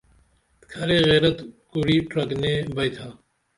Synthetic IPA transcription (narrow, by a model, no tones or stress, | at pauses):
kʰɐɾeːɣeːɾət̪kʊɽiːʈɾɐkneːbɐjt̪ʰaː